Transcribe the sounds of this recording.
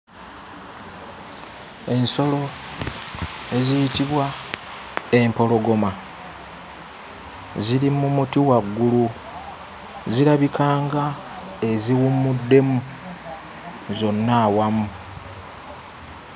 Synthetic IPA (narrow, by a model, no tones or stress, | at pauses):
e̞nso̞lo̞ | e̞zijitiβwa | e̞mpo̞lo̞ɡo̞ma | ziɾimumutiwaɡːulu | ziɾaβikaːŋɡa | e̞ziwumːudːe̞mu | zo̞nːaːwamu